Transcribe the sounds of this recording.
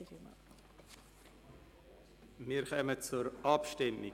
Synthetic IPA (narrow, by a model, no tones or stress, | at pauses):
m̰ | miːɾχœmət͡sʊɾʔɑpʃtɪmɪ